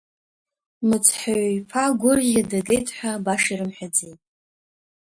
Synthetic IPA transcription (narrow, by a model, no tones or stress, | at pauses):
mɨt͡sʰħaɥpʰaɡʷʊrjadaɡejtʼħʷᶣabaʂiɾɨmħʷᶣad͡zejtʼ